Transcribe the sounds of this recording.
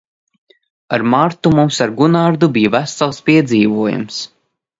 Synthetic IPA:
aɾmaɾt̪umumsaɾɡunaɾd̪ubijvæsalˠspiɛd̪ziːvuɔjṵms

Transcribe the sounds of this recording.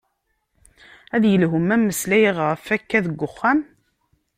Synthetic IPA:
æðjəlɦʊmæmːəslæjʁʁəfækːæðəɡʷːʊχːæm

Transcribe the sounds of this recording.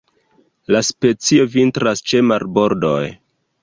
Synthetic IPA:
laspe̞t͡sio̞vintɾast͡ʃe̞maɾbo̞ɾdo̞̰j

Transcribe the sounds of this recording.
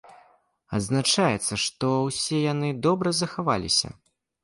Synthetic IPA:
ɐ̰d̪znat͡ʂajɛt̪sːɐʂt̪ɔwsʲɛjanɨd̪ɔbɾɐzɐxava̰lʲḭsʲɐ̰

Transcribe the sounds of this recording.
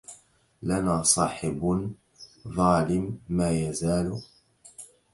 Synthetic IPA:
lanaːsˤɑːħɪb | ðˤɑːlɪmːaːjazaːlʊ

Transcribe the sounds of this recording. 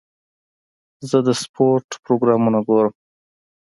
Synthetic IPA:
zəd̪əspʰoɾʈpɾoɡɾɑmunaɡoɾəm

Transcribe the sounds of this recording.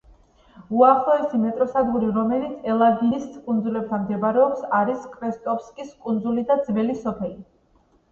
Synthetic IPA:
uaχlˠɔɛsimɛt̪ʼɾɔsad̪ɡuɾiɾɔmɛlit̪sʰɛlˠaɡiniskʼund̪zulɛb̚t̪ʰamd̪ɛbaɾɛɔpsaɾiskʼɾɛst̪ʼɔfskʼiskʼund̪zulid̪ad̪zvɛlisɔpʰɛli

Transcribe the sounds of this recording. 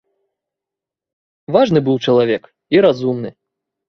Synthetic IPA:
vaʐnɨbɨwt͡ʂɐlˠavʲɛk | iɾazumnɨ

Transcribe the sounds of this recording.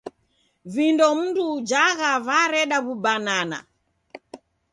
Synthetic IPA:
vindɔm̩ndud͡ʒaɣavaɾɛɗaβubanana̰

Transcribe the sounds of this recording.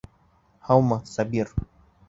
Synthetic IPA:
hawmasabiɾ

